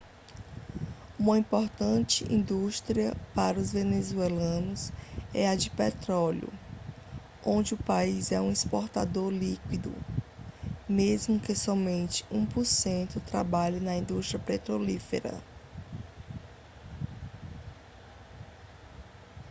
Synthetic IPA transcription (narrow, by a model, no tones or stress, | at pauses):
ũmɐĩpoɾt̪ɐ̃t͡ʃɪʔḭ̃nd̪uʃt̪ɾiɐpaɾɐʊzvenezuelɐ̃nʊsɛɐd͡ʒɪpɛt̪ɾɔlʊ̰ | õnd͡ʒɪʊpaizɛũispoɾt̪ad̪oɾlikwid̪ʊ̰ | mezmʊkesɔmẽnt͡ʃɪ̥ũpʊɾsẽnt̪ʊt̪ɾabaʎɪnɐĩd̪ust̪ɾiɐpet̪ɾolifḛɾɐ̰